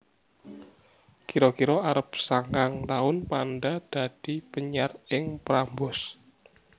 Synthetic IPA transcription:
kiɾɔkiɾoaɾəpsaŋkaŋt̪aʊnpanɖad̪̥a̤d̥ipəɲarɪŋpɾambʊs

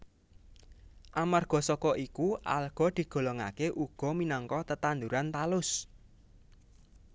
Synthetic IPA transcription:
ʔamarɡ̥ɔ̤sɔkɔʔikuʔa̰lɡ̥ɔ̤d̪̥i̤ɡ̥ɔ̤lɔŋa̰keʔuɡ̥ɔ̤minɔŋkɔt̪ət̪and̪uɾant̪alʊs

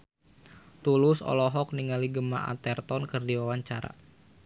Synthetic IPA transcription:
t̪ulʊsɔ̰lɔɦɔk̚niŋaliɡəma̰ʔa̰t̪ɛrt̪ɔnkɨrdiwawaɲt͡ʃaɾa̰

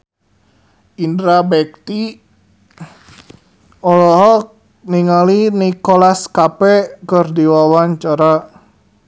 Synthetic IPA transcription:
indɾabɛk̚t̪i | ɔlɔɦɔk̚ | niŋalinikolaskapɛkərdiwawaɲt͡ʃaɾa

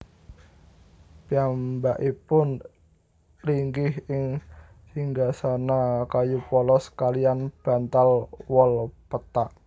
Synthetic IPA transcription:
piambaʔipʊn | liŋɡɪhɪŋ | hiŋɡasanakajupɔlɔskalianb̥a̤nt̪alwɔlpət̪aʔ

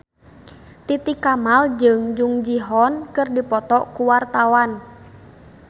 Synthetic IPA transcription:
t̪it̪ikamald͡ʒɨŋd͡ʒuŋd͡ʒiɦɔnkɨrdipɔt̪ɔʔkuwart̪awan

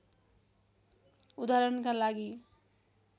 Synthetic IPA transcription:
ud̪aɾʌnkalaɡi

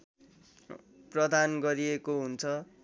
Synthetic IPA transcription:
prʌd̪ʱanɡʌɾiekoɦunt͡sʰʌ

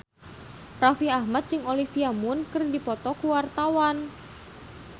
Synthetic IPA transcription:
rafiahmat̪̚t͡ʃɨŋolihfiamʊnkɨrdipɔt̪ɔkuwart̪awan

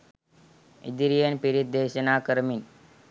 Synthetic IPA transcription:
ḭd̪iɾijənpiɾit̪̚d̪eɕənakəɾmin

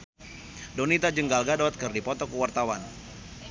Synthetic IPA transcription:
donit̪ad͡ʒəŋɡalɡadat̪̚kərdipɔt̪ɔkəwart̪awan

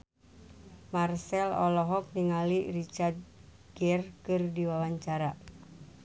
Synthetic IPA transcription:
marsɛlɔ̰lɔɦɔk̚niŋalirit͡ʃart̪̚ | ɡɛrkɨrdiwawaɲt͡ʃaɾa

